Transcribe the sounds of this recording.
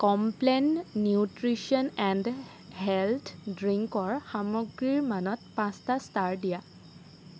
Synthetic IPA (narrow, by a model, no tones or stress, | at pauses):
kɔmplɛnnjutɹisiɔnɛnd | ɦɛlt̪ʰdɹiŋkɔɹxamɔɡɹiɹmanɔt̚pãstastaɹdija